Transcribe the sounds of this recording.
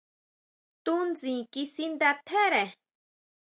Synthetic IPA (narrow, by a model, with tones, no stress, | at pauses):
t̪u˦nd͡zĩː˨ki˦si˦nd̪a˧t̪ʰe˦ɾe˨